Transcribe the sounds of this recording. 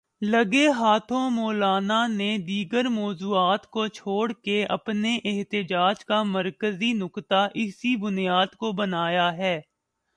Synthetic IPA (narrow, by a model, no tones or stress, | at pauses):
lɐɡeɦaːt̪ʰõmɔːlaːnaned̪iːɡəɾmɔːzuːaːt̪kot͡ʃʰoːɽkeʔɐ̰pneʔɪɦt̪ɪd͡ʒaːd͡ʒkaməɾkəzinʊkt̪aʔɪsibʊnijaːd̪kobɐnaːjaɦɛː